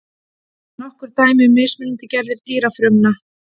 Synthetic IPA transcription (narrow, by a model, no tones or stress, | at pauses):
nɔhkʏɾ̥t̪aːjmɪʏmːɪsmʏnt̪ɪcɛɾðɪɾ̥t̪iːɾafɾʏmna